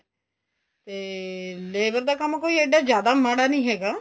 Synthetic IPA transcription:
t̪eːleːbəɾd̪aːkəmkoːiːeɖaːzjaːd̪aːmaːɽaːnəĩːɦɛːɡaː

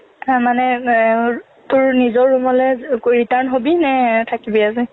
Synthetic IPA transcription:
manɛ | tʊɹnizɔɹːumɔlɛkoɹitanɦobinɛtʰakibias̬ɛ

